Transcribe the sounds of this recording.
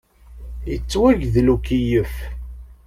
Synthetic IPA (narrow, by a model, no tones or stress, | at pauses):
jət͡sːwæʝðlukijəf